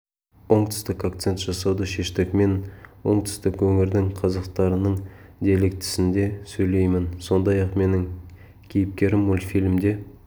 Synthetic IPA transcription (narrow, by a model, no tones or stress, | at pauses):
wo̞ɴt̪ʰʏ̥st̪ɪkakt̪se̞nt̪ʒ̥ɑsɑwd̪əʃe̞ʃt̪ɪkme̞nwo̞̰ɴt̪ʰʏ̥st̪ɪkwɵŋɪɾd̪ɪŋqʰɑzɑqt̪ɑɾənəɴd̪e̞lɪk̚t̪ʰɪ̥sɪnd̪e̞sɵjle̞jmɪnso̞nd̪ɑjɑqme̞nɪŋ | kʲʰejɪp̚kʲe̞ɾɪmwolˠfilʲmd̪e̞